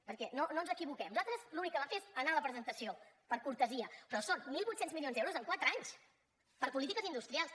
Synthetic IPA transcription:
pəɾkɛnononzəkiβukɛmnuzalˠt̪ɾəzlunikːəβafezənaələpɾəzənt̪əsio | pəɾkuɾt̪əziəpɾɔsonmilˠβut̪senzmilionzɛwɾuzəŋkwat̪ɾəaɲs | pəɾpulit̪ikəzind̪ust̪ɾialˠs

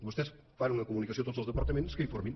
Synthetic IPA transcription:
ust̪es | faɾ̃unɐkumunikɐsõt̪ozlˠuzðəpɐɾt̪ɐmẽnt̪u̥skɨĩfoɾmẽ

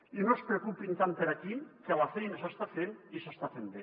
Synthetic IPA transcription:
inospɾekupint̪ampeɾakikelafejnas̬ast̪afenisast̪afend̪e

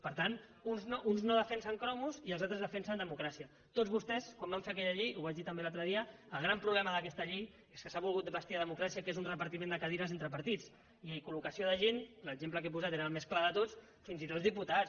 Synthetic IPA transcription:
pəɾt̪anunznoʔunznoðəfɛnsəŋkɾɔmuziəlˠzat̪ɾəzðəfɛnsənd̪əmukɾasiə | t̪ozβust̪ɛskwombaɱfeəkɛʎəʎejuβaʒðit̪əmbelalt̪ɾəðiəːlˠɣ̞ɾampɾuβlɛməðəkɛst̪əʎej | eskəsaβulˠɣut̪bəst̪iaðəmukɾasiəkezunrəpəɾt̪imẽnd̪əkaðiɾəzent̪ɾəpəɾt̪it͡s | ikulukəsioðəʒenləɡzempləkep̬uzat̪eɾəlˠmesklaðət̪ot͡s | finzit̪ot̪zðiput̪a

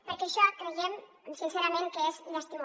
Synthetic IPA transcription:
pəɾkɛaʃɔkɾejɛm | sinseɾamẽŋkəezləst̪im

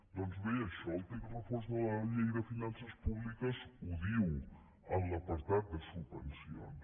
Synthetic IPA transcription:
d̪ɔnzβejəʃɔlˠt̪ekrəfɔɾzðələʎejðəfinansəspuβlikəzuðiw | əmləpəɾt̪at̪̚d̪əsubənsio̰n

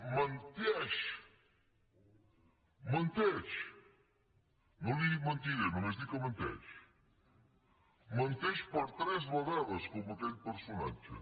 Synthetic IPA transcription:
mɐ̃nt̪eʃ | mɐ̃nt̪eɾʃ | nɐ̃w̃d̪iɣĩmɐ̃nt̪iɾɐmɐ̃mɐznĩkɐmɐ̃nt̪ḛɾʃ | mɐ̃nt̪eʃpɐɾt̪ɾɛzmɐðɛlˠɐʃkõmɐt̪eɾpɨɾsonɐ̰̃t͡ʃɐ̰

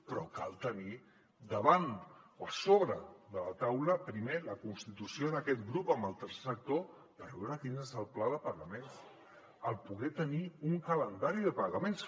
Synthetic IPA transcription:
pɾɔka̰lˠt̪əni | d̪əβ̞anoəsoβɾəd̪əlat̪awləpɾimeləkunst̪it̪usioðəkɛt̪ɡɾupəmbəlˠt̪ərse̥sək̚t̪o | b̪əβɛwɾakinezəlˠplaðəpəɾləmẽns | əlˠpuɣɛt̪əniuŋkələnd̪aɾiðəpaɣəmens

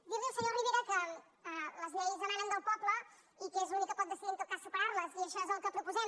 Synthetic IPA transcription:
biɾðilˠsəɲoɾβiβiɾakə | ələzmɛjzənaɾənd̪əlˠpɔblə | ikezunikːəpɔt̪d̪əsiðint̪okasupəɾaɾləziəʃaezəlˠkəpɾupuzɛ

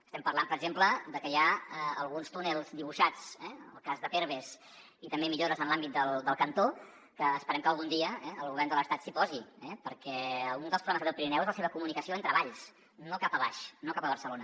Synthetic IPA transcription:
əst̪ɛmpəɾlampəɾəɡzempləd̪əkəjaəə̰lˠɣunst̪unelˠzd̪iβuʃat͡sɛnə̰lˠkazðəfeɾβ̞es | it̪əmbemiʎoɾəzənlambit̪̚d̪əlˠd̪əlˠkənt̪o | kəːspəɾɛmkəlˠɣund̪iəɛəlˠɣuβɛrnd̪ələst̪at̪sipɔziɛpəɾkɛund̪əlˠpɾulɛmzɾðəlˠpiɾinɛwezləseβəkumunikəsioənt̪ɾəβaʎs | nokapəβa̰ʃnokapəβ̞əɾsəlonə

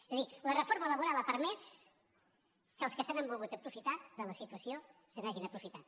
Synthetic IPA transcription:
ezəðilərəfoɾmələβuɾaləpəɾmɛs | kəːlˠskəsanambulˠɣut̪əpɾufit̪aðələsit̪wəsiosənaʒinəpɾufit̪at̪

